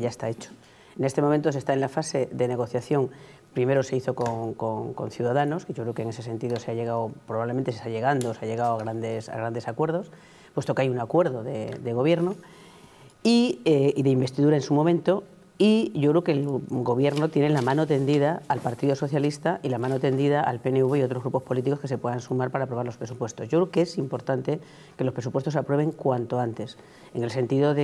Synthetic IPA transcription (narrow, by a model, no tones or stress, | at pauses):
ʝaest̪aet͡ʃo̥ | ene̞st̪e̞momẽnt̪o̞se̞st̪aenlafase̞ðe̞neɣ̞o̞θjaθjo̞ŋ | pɾime̞ɾo̞se̞iθo̞koŋkoŋko̞̰n̟θjuðaðano̞skeʝokɾe̞okeŋesese̞nt̪iðoseaʎe̞ɣ̞aopɾoβaβlement̪esest̪aʎe̞ɣand̪ooseaʎe̞ɣawaɣɾand̪esa̰ɣɾand̪esakwe̞ɾð̞o̞s | pwest̪o̞keajuŋakwe̞ɾðoðed̪eɣ̞o̞β̞je̞ɾno | ieðe̞imbe̞st̪iðuɾaensumomẽ̞nt̪o̞ | iʝokɾeke̞lɡo̞βjeɾno̞t̪je̞nelamãno̞t̪e̞nd̪iðaalpaɾt̪iðoso̞θjalist̪aʔilamãnot̪e̞nd̪iðaʔa̰lpe̞neuβeio̞t̪ɾoɣɾupo̞spo̞lit̪̬iko̞skese̞pwe̞ðansumaɾpaɾaːpɾo̞β̞aɾlo̞spɾe̞supwe̞st̪o̞zʝokɾekeesimpo̞ɾt̪ant̪e | ke̞lopɾe̞s̬upwest̪osapɾwe̞β̞e̞ŋkwant̪o̞ant̪e̞s | e̞ŋe̞lse̞nt̪iðo̞ðe